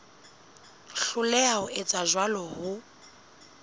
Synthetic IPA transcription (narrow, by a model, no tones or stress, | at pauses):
ɬʊlɛaʊʔɪt͡sʼazwalɔhʊ